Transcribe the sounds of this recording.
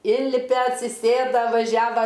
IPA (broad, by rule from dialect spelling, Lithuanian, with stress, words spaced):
ˈɪnʲlʲɪpʲɛ ɐtʲsʲɪˈsʲeːdɐ ʋɐˈʒʲæːʋɐ